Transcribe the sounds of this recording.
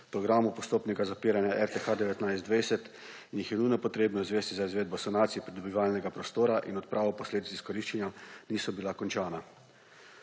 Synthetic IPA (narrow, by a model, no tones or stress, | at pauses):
pɾɔɡɾaːmupɔst̪oːpnɛɡazapiːɾanjaʔɛɾt̪exaːd̪ɛʋɛt̪najztd̪ʋajsɛt̪ | injixjɛnujnɔpɔt̪ɾeːbnɔzʋeːst̪izaizʋeːd̪̚bɔsɔnaːt̪sijɛpɾid̪ɔbiʋaːlnɛɡapɾɔst̪oːɾaʔinɔt̪̚pɾʔaːʋɔpɔsleːd̪it̪siskɔɾiːʃt͡ʃanjaniːsɔbilakɔnt͡ʃaːna